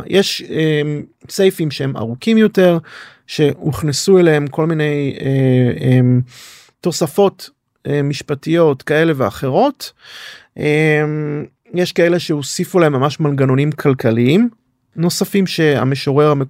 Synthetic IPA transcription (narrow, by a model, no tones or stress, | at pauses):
jʔeʃemsejfimʃehe̞ma̰ʁukimjo̞te̞ʁ | ʃe̞muχnesueleemko̞lmine̞jeem | to̞safo̞t | emiʃpatijo̞tkae̞le̞vea̰χe̞ʁo̞t | ʔem | jeʃkae̞le̞ʃe̞osifulaemːamaʃmalɡano̞nimkʰalkʰaliim | no̞safimʃe̞a̰meʃoʁeʁame